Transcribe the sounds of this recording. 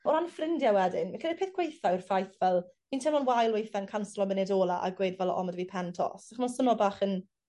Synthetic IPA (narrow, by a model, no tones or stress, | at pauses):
ɔɾanfrɪndjawɛdɪnmakʰədɪ̥pʰeːθɡ̥wejθaɪrfajθvɛlˠmiːntʰelɔnwajlˠwejθankʰanslˠɔmənɪdoːlˠaʔa̰ɡweːdvɛlˠɔ̰mədviːpʰɛntʰɔ̰sd̥aχmansənɔbaːχən